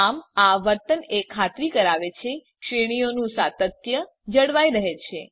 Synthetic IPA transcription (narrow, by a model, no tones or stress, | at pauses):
amaʋəɾt̪ənekʰat̪ɾikəɾaʋet͡ʃʰe | kʃeɽ̃ijonũsat̪ət̪jə | d͡ʒəɽʋaiɾəɦet͡ʃʰe